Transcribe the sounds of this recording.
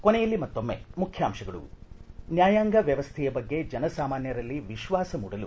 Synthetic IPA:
konejɐlːimɐt̪ːo̞mːḛmukʰjaːmʃɐɡɐɭṵnjaːjaːŋɡɐʋjɐʋɐst̪ʰɛjɐbɐɡːe̞d͡ʒɐnɐsaːmaːnjɐɾɐlːiʋiʃʋaːsɐmuːɽɐlu

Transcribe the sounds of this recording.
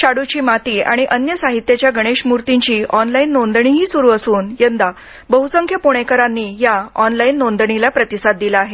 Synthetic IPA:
ɕaɽut͡ɕiːmat̪iːa̰ɽ̃iʔənjəsaɦit̪jat͡ɕjaɡəɽ̃eɕmuɾt̪iɲt͡ɕiːʔɔnlainːond̪ɳ̃iɦiːsuɾuːəsuːnjənd̪a | bəɦusəŋkʰjəpoɽ̃ekəɾanːiːjaɔnlainːond̪ɳilapɾət̪isat̪̚d̪ilaːɦe

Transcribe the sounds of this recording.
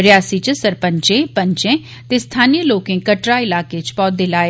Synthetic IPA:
ɾjaːsit͡ʃsəɾpəɲt͡ʃẽpəɲt͡ʃẽː | t̪eːst̪ʰaːnijəloːkẽːkəʈɾaːɪlaːket͡ʃpɔːd̪ɪlaːeː

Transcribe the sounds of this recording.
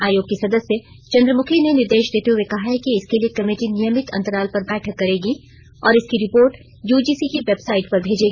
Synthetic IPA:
aːjoːɡ̚kisɐd̪əsje | t͡ʃɐ̃nd̪ɾəmʊkʰinenɪɾd̪eːʃd̪eːt̪eɦuekɐɦaɦɛkiɪskeliekɐmeːʈinɪjəmɪt̪ɐ̰̃nt̪əɾaːlpɐɾbɛːʈʰəkːɐɾeːɡi | ɔːɾɪskiɾɪpoːɾʈ | juːd͡ʒiːsikiʋebsaːɪʈpɐɾbʱeːd͡ʒeːɡiː

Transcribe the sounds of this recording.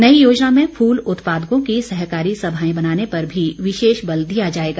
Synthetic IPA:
nɐijoːd͡ʒnamẽfʰuːlʊt̪paːd̪əkõkisɐɦkaːɾisɐbʱaːẽbɐnaːnepɐɾbʱiʋɪʃeːʃbɐld̪ijad͡ʒaːeːɡaː

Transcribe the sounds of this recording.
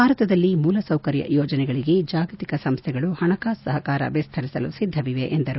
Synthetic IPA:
bʱaːɾɐt̪ɐd̪ɐlːimuːlɐsɐwkɐɾjɐ̰jɔːd͡ʒɐnɛɡɐɭiɡe̞d͡ʒaːɡɐt̪ikɐsɐmst̪ʰɛɡɐɭuhɐɳɐkaːsɐɦɐkaːɾɐ̰ʋɛst̪ʰɐɾisɐlṵsid̪ʱːɐʋiʋeʔend̪ɐɾu

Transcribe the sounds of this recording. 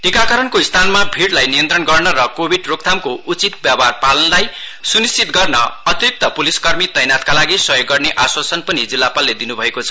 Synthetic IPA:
ʈikakʌɾʌnkoist̪ʰanmapʰiɽlajnijʌnt̪rʌnɡʌrnʌɾʌkobʱiɖrok̚t̪ʰamkoʔut͡sit̪̚bjabarpalʌnlaj | sunist͡sit̪ɡʌrnʌʌt̪rik̚t̪ʌpuliskʌrmit̪ʌjnat̪kalaɡisʌjoɡːʌrneʔaswasʌnpʌnid͡zilːapalːed̪inubʱʌekot͡sʰʌ̥

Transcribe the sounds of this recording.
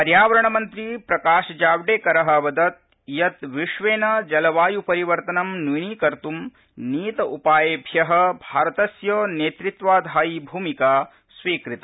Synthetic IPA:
pɐɾjaːʋɐɾɐɳɐmɐnt̪ɾipɾɐkaːʃɐd͡ʒaːʋɖeːkɐɾɐɦɐʋɐd̪ɐt̪̚ | jɐt̪ʋiʂʋeːnɐd͡ʒɐlɐʋaːjupɐɾiʋɐɾt̪ɐnɐmnʋiniːkɐɾt̪um | niːt̪ɐʔupaːjeːbʱjɐɦɐ̆bʱaːɾɐt̪ɐsjoːneːt̪ɾit̪ʋaːd̪ʱaːjibʱuːmikaː | sʋiːkɾit̪ɐ

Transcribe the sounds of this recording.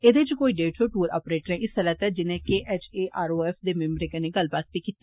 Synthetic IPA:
eːd̪et͡ʃkoːiːɖeːʈoʈuːɾa̰ːpɾeːʈɾɛ̃ːʔɪsələt̪ɛd͡ʒɪnẽːkeːʔɛːt͡ʃeːʔaːɾoːɛːfʰd̪eːmɛ̃mɾeːkənẽɡəlbaːt̪̚bikit̪ːe

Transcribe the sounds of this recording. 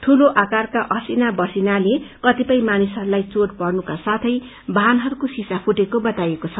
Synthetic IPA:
t̪ʰuloʔakarkaʔʌsinabʌrsinalekʌt̪ipʌj̃manisʌɾulajt͡soɽpʌrnukasat̪ʰʌj | bʱanɦʌɾukosisapʰuʈekobʌt̪ajekot͡sʰʌ

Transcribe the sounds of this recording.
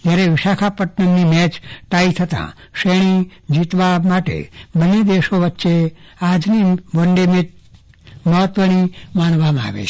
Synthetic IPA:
d͡ʒjaɾeʋɪʃakʰapəʈnəmnimɛt͡ʃʈait̪ʰət̪ã̰ | ʃeɽ̃id͡ʒit̪ʋamaʈḛbəned̪eʃoʋətːʃead͡ʒniʋoɳɖemet̪̚ | məɦət̪ʋənimanʋamãa̰ʋḛt͡ʃʰe

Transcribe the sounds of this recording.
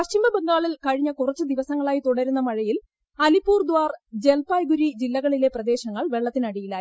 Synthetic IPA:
pɐɕt͡ɕimbɐbeŋɡaːɭilkɐɻiɲːɐkurɐt͡ɕːɨd̪iʋɐsɐŋːɐɭaːjit̪uɽɐɾunːɐmɐɻɐjil | ɐlipːuːrd̪waːrd͡ʑe̞lpaːjɡuɾid͡ʑilːɐɣɐɭile̞prɐd̪e̞ːɕɐŋːɐɭʋe̞ɭːɐt̪ːinɐɽijila

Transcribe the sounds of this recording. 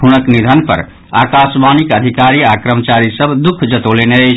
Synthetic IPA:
ɦunəknid̪ʱənpə̰ɾ | a̰kasbanikəd̪ʱikaɾiakɾəmt͡ʃaɾisəbʱd̪ukʰd͡ʒət̪oleneət͡ʃʰ

